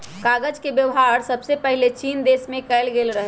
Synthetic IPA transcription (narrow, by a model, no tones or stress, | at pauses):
kaɡəd͡ʒkebjəʋɦaɾsəbsepəɦilet͡ʃind̪esmẽkɛɪlɡelɾəɦɛ